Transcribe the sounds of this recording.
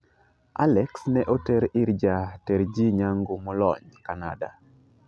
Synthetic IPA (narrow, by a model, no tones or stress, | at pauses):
ʔa̰lɛksnɛʔotɛɾiɾd͡ʒatɛɾd͡ʒiɲaŋɡomɔlɔ̰ɲkana̰da̰